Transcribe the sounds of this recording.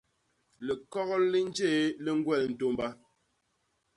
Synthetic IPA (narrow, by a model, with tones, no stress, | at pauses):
le˨kɔ˦ɣɔ˦lli˦n˦d͡ʒe˦˨le˦ŋ̩˦ɡwɛ˦˨ln̩˨to˦mba˦